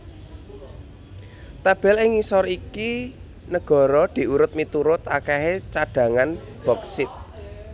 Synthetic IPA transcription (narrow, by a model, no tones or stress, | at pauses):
t̪ab̥ɛ̤lɪŋisɔɾiki | nəɡ̥ɔ̤ɾɔd̪̥i̤ʔuɾʊt̪̚mit̪uɾʊt̪akɛɦet͡ʃaɖ̥ä̤ŋan | b̥ɔ̤ksɪt̪̚